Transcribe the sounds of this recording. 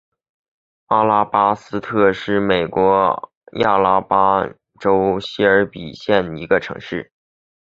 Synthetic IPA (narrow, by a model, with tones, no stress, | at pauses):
a˥˩la˥pa˥sɹ̩˥t̪ʰɤ˥˧ʂɻ̩˥˩me˨˩ɪkwɔ˧˥ | ja̰˥˩la˥pa˥ | ʈ͡ʂo˥ʊɕi˥ə˞˧˥pi˨˩ɕjɛ˥˩ni˧˥ɡə˧ʈ͡ʂʰɤ̰˧˥ŋʂɻ̩˥˩